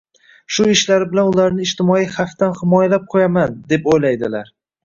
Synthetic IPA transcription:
ʃʊɪʃlaɾɪbɪlanʊlaɾnɪɪʃt̪ɪmɒijχaft̪anhɪmɒjalap̚qʰojamand̪e̞pojlajd̪ɪlaɾ

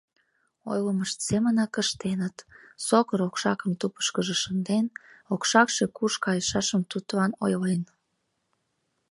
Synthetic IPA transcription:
o̰jləməʃt̪semənɑkəʃt̪enət̪sokəɾokʃɑkə̆mt̪upə̥ʃkəʒeʃənd̪enokʃɑkʃekuʃkɑjəʃɑʃəmt̪ut̪lɑnojlen

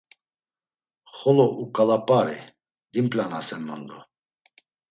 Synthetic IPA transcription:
χɔlɔʔukʼalapʼaɾḭ | d̪impʼlanasɛmːɔnd̪ɔ

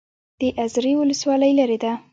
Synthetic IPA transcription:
d̪̥əʔazɾiwʊləswɑləjlaɾed̪a

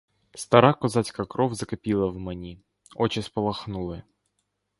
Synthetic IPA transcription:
st̪ɐɾakɔzat͡sʲkɐkɾɔwzɐkɐpʲilˠɐwmenʲi | ɔt͡ʃɪspɔlˠɐxnulˠɪ

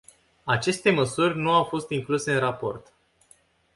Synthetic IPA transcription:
at͡ʃe̞st̪e̞məsurʲnuawfo̞st̪iŋkluse̞ɨnrapo̞̰rt̪

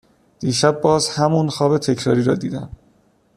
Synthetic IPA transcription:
d̪̥iːʃæbːɒːzhæmunxɒːbe̞t̪ʰecʰɾɒ̰ːɾiːɾɒːd̪iːd̪æm

